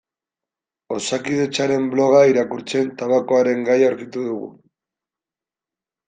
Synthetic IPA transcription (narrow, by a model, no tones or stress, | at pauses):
o̞sakiðe̞t͡ʃaɾe̞mblo̞ɣ̞aiɾakuɾt͡se̞nt̪aβako̞aɾe̞ŋɡajawɾkit̪uðuɣṵ